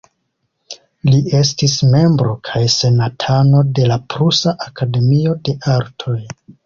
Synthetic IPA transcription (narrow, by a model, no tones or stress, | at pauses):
lie̞s̬tisme̞mbɾo̞kʰajse̞natʰano̞de̞lapɾusaʔakade̞miode̞ʔaɾtʰo̞j